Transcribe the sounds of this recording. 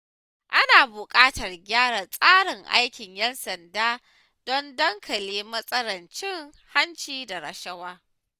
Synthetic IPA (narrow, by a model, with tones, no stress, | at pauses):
ʔa˦naː˨bʊ˨kʼaː˦tɐ˨rɡʲaː˦ɽa˨sʼaː˦ɽɪ˨ŋʔa̰˦jkʲɪ˨ɲjɐ˦nsɐ˨ndaː˦ | d̥ɔ˦ndɐ˦ŋkʰɐ˨leː˦mɐ˦sʼɐ˦ɽɐ˨nt͡ʃɪ˦ŋ | ha˦nt͡ʃiː˦da˨ɾɐ̰˨ʃɐ˦waː˦